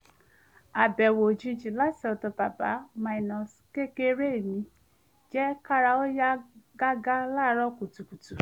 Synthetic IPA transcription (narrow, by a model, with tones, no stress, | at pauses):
a˨bɛ˨wo˨d͡ʒĩ˧˦d͡ʒĩ˨la˦si˨˦ɔ˨tɔ˨˧ba˨ba˨˦mã˧˨i˨nɔ̃˨ske˦ke˦ɾe˦i˨mĩ˧ | d͡ʒɛ˦ka˦ɾa˧o˦ja˦ɡa˦ɡa˦la˦˧ɾɔ˦ku˨tu˨ku˨tu˨